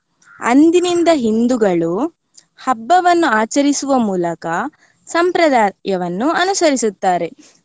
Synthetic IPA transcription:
ɐ̰nd̪inind̪ɐɦind̪uɡɐɭu | hɐbːɐʋɐnːuaːt͡ʃɐɾisuʋɐmuːlɐkɐ | sɐmpɾɐd̪aːjɐʋɐnːuɐnusɐɾisut̪ːaːɾe̞

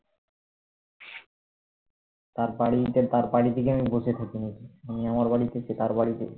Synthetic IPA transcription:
t̪aɾbaɽit̪et̪aɾbaɽit̪ekeamibosʰet̪ʰakinikiamiamaɾbaɽit̪et͡ɕet̪aɾbaɽit̪ḛ

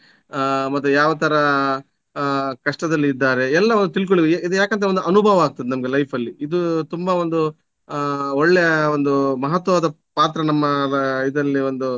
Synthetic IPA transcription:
mɐt̪ːujaːʋɐt̪ʰɐɾɐ | kɐʂʈɐd̪ɐlːiːd̪ːaːɾe̞ɛlːɐond̪ut̪ilk̬oɭiɡid̪ujaːkɐnt̪ɐo̞nd̪uɐnubʱɐːʋɐaːɡ̚t̪ɐd̪enɐmɡelɐjpʰɐlːiid̪ut̪umbɐʋond̪u | oɭːejɐond̪umɐɦɐt̪ʋɐʋaːd̪ɐ | paːt̪ɾɐnɐmːɐid̪ɐlːiond̪u

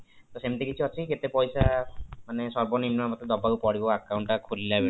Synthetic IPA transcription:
t̪osemt̪ikit͡ʃʰuat͡ʃʰiket̪epɔjsamanesɔɾbɔnimnɔamɔt̪ed̪ɔbakupɔɽibɔakawɳʈakʰulilabe

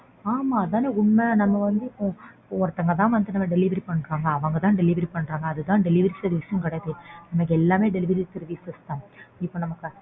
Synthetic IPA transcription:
aːmaːɐðãːneːʊɳmɛnɐmːɐʋɐnd̪ɯɪpːõɪpːoɔɾɐt̪ːɐŋɡɐt̪ãːʋɐnd̪ɯnɐmːɐɖɛlɪʋɐɾipɐɳːɯkːaːŋɡɐːʋɐŋɡɐt̪ãːɖɛlɪʋɐɾipɐɳːɾaːŋɡɐːðɯt̪ãːɖɛlɪʋɐɾisɐðɯʋɪʂɐjɐ̃mkɪɽɐjɐðɯnɐmːɐkːɛlːaːmeːɖɛlɪʋɐɾit̪ɛɾɯʋiːsɐst̪ãːɪpːõːnɐmɐkːɯ

